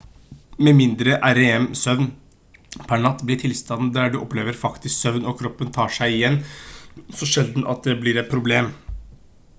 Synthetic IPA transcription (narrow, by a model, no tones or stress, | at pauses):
mɛmɪnd̪ɾəʔæɾeɛmsœʋn | pʰæɳɑt̪ːblɪʈʰɪlst̪ɑnn̩d̪æɖʉʔɔpleːʋəɾfɑkt̪ʰɪsksœʋnɔkʰɾɔpːənt̪ʰɑːʂæɪɪjɛnː | sɔʃɛld̪n̩ʔɑ̰t̪̚d̪ɛblɪɾɛt̪̚pʰɾʊbleːm